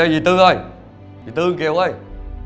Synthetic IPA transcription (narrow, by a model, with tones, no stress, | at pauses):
jzi˨˩t̪ɨ˧ʔə˧˩j | zi˨˩t̪ɨ˧ki˨ə˦wʔə˧˩j